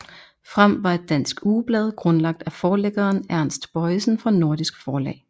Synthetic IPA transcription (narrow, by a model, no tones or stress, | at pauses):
fʁɑm̰ʋɑ̈e̝d̥ːæn̰sɡ̥uːb̥lɛːð̞ˠɡ̥ʁɔ̽nlɑ̈ɡ̥̚d̥æfɒːleɡ̥ɐːnæɐ̰nsd̥b̥ɒ̽ɪsn̩fɒ̽no̝ɐ̰d̥isɡ̥fɒːlɛ̰ːɪ